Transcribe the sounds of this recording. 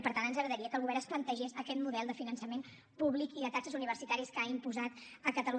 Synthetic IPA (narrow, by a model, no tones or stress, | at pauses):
pəɾt̪anənzəɣɾəðəɾiəkəlɣuβɛɾəsplənt̪əʒesəkɛt̪muðɛlˠd̪əfinənsəmen | puβlikiðət̪aksəzuniβ̞ərsit̪aɾiskaimpuzat̪əkət̪əlu